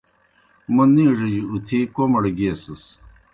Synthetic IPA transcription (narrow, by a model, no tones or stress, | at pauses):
mɐnːiʐɐd͡ʑiut̪ʰikomɐɽɐɡiesɐs